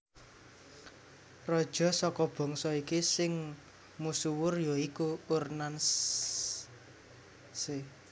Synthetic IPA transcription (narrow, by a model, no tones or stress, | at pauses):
rɔd̥ʒ̥ɔ̤sɔkɔb̥ɔ̤ŋsɔikisɪŋ | musuwʊrjɔikuːrnans | se